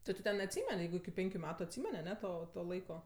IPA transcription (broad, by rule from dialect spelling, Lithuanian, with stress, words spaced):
ˈtʊ tʲɪ ˈtʲɛn ɐtʲˈsʲiːmʲɛnʲ ˈjɛɪɡʊ ɪkʲɪ ˈpʲɛŋʲkʲʊ ˈmʲæːtʊ ɐtʲˈsʲiːmʲɛnʲ ɐˈnʲɛ ˈtoː toː ˈlˠɐɪkoː